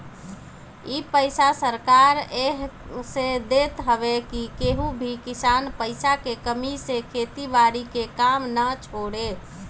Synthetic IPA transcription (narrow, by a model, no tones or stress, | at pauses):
ipəɪsasəɾkaɾeɦsed̪et̪ɦəʋekikeɦũbʱikisanpəɪsakekəmisekʰet̪ibaɾikekamnət͡ʃʰoɽe